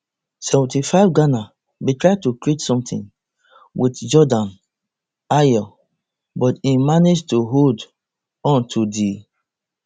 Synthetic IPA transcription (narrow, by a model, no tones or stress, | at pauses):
sɛvɔ̃ntifaɪvɡana | bitɹaɪtukɹitsɔ̃mtḭ̃n | wʔitd͡ʒɔdãn | ajɔ | bɔtĩmaned͡ʒtuɦod | ɔ̃ntʰudi